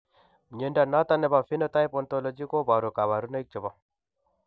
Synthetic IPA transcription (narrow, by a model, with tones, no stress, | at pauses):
m˨ɲe˨˦nda˨na˦t̪a˦nɛ˨ba˨fi˦nɔ˦ta˦jpɔ˨nto˦lɔ˨d͡ʒi˦ko˦ba˨ɾu˨ka˨βa˨ɾu˦na˦i˦k̚t͡ʃɔ˨ba˦